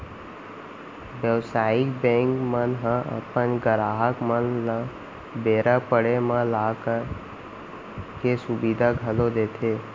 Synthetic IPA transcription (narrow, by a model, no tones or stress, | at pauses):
ʋjəʋsaːɪkbẽŋkmənɦãə̰pənɡəɾaːɦəkmənla | beːɾapəɽemãlaːkəɾ | kesʊbid̪ʱaɡʱəlod̪eːt̪ʰeː